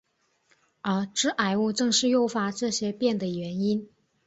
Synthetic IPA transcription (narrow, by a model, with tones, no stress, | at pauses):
ə˧˥ʈ͡ʂɻ̩˥ʔa˨˩ɪu˥˧ʈ͡ʂɤ˥˧ŋʂɻ̩˥˧jo˥˩ʊfa˧˥ʈ͡ʂɤ˥˩ɕjɛ˥pjɛ˥˩nd̪ə˩ɥɛ˧˥ni˥n